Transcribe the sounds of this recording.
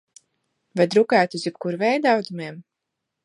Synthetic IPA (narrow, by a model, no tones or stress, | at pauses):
vajd̪ɾukæːt̪uzjip̚kuɾvɛjd̪awd̪umeɛm